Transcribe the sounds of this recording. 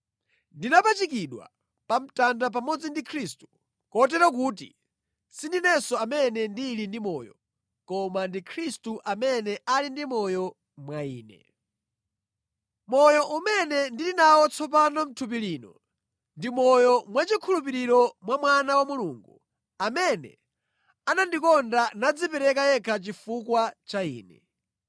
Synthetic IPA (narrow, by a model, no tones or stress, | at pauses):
ndinapat͡ʃikiɗwa̰ | pam̩tandap̬amɔd͡zindikʰɾistu̥ | kɔt̬ɛɾɔk̬uːtḭ | sindinɛsɔamɛnɛndilindimɔ̰ːjɔ̰ | kɔmandikʰɾistuʔamɛnɛʔalindimɔjɔ | mwaiːnɛ̰ | mɔjɔʔumɛnɛndilinawɔt͡sʰɔpanɔm̩tʰup̬iliːnɔ̰ | ndimɔjɔmwat͡ʃikʰulup̬iɾiɾɔmwamwanawamuluːŋɡu | amɛnɛ̰ | anandikɔndanad͡zipɛɾɛkajɛkʰat͡ʃifukwat͡ʃaḭːnɛ